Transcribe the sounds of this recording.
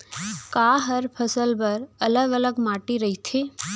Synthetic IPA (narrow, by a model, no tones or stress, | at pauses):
kaːɦəɾpʰəsəlbəɾɐləɡələɡmaːʈiɾɐɦit̪ʰe